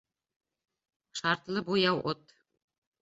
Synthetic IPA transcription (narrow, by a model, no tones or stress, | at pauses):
ʃɑɾt̪lˠɤbujɑwʔot̪